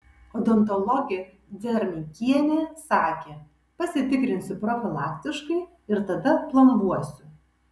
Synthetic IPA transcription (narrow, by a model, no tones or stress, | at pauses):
ɔd̪ɔnt̪ɔlˠɔɡʲe | d̪zʲɛɾʲmʲikʲiɛnʲeːsɑːkʲeː | pɐsʲɪt̪ʲɪkɾʲɪnʲsʲʊpɾɔfʲɪlˠɑːkʲt̪ʲɪʃkɐɪ | ɪɾt̪ɐd̪ɐplˠɐnʋuɔsʲʊ